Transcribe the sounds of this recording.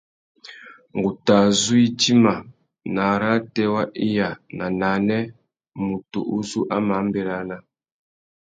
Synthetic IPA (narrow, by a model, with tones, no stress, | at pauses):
ŋ˨ɡu˨ta˨zu˦i˦ti˦ma˨ | na˨ɾa˦tɛ˦wa˦ʔi˦ja˨na˨na˨˦nɛ˦ | mu˨to̰˨ʔu˦zu˦ʔa˦ma˨˦m˦bɛ˨ɾa˦na˦